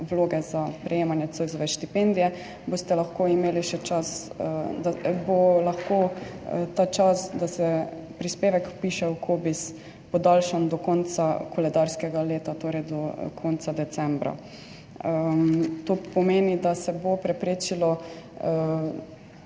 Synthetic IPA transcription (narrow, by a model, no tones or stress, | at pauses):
wloːɡɛzapɾɛjeːmanjɛsozɔʋɛʃt̪ipɛnd̪ijɛ | bost̪ɛlaxkoːimeːliʃɛt͡ʃasd̪abolaxkoːt̪at͡ʃasd̪asɛpɾispeːʋɛkpiːʃɛwkʰoːbis | pɔd̪alʃənd̪ɔkɔnt̪sakʰɔlɛd̪aɾskɛɡaleːt̪at̪oːɾɛjd̪ɔkʰɔnsad̪ɛt̪sɛmbɾa̰ | t̪oːpɔmeːnid̪asɛbopɾɛpɾeːt͡ʃilɔ